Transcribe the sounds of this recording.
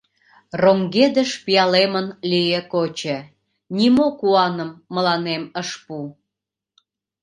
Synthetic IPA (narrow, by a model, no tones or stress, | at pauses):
roŋɡed̪ə̆ʃpijɑlemənlijə̆kot͡ɕə̆ | nʲimokuɑnəmːəlɑneməʃpu